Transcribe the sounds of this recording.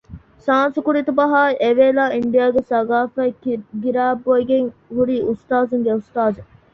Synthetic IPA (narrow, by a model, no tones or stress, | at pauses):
ʃaːnsukuɾit̪ubɐɦaːiʔeʋeːlaːiɳɖijaːɡesɐɡaːfɐɡiɾaːbːoiɡeŋhuɾiːʔust̪aːzuŋɡeust̪aːze